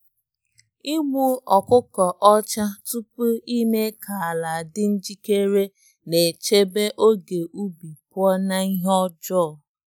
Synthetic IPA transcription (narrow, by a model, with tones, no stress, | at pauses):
i˦ɡ͡bu˦ɔ˨kʊ˦kɔ˨ʔɔ˦t͡ʃa˦tu˦pu˦i˦me˦ka˨la˨dɪ˦n̩˦d͡ʒi˦ke˦ɾe˦ | ne˨t͡ʃe˦be˦ʔo˦ɡe˨ʔu˦bi˨pʊ˦ɔ˦na˦i˦ɦɔ˦d͡ʒɔ˦˨